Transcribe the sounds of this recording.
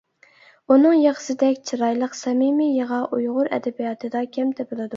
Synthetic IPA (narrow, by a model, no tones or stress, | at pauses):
unɨŋjɑqə̥sɪd̪ɛkʲt͡ʃʰiɾɑjlˠəqsɛmimijəʁɑʔujʁʊɾɛ̰d̪ɛbijɑt̪ʰɨd̪ɑkʲʰɛmt̪ʰɛbɨlˠɨd̪u